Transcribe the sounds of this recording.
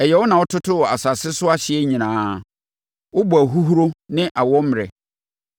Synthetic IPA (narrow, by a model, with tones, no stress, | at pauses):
ɛ˨jɛ˨wʊ˦nã˨wʊ˦tʰʊ˦tʰʊ˦ɔ˨a̰˨sa˨sɪ˦sʊ˦a˦ɕɪ˨ɛ˦ɲĩ˨nãː˨˦ | wʊ˦bu˨a˨ɦu˦ɦu˦ɾo˦nɪ̃˦ʔa˨wɔ˦m˨ɾɛ̰˨